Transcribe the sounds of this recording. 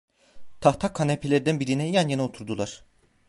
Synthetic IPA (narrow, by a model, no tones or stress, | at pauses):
t̪ʰaht̪ʰakʰːanepʰelʲeɾid̪ænbiɾinɛjanjeniot̪ʰuɾd̪ulˠaɾ̥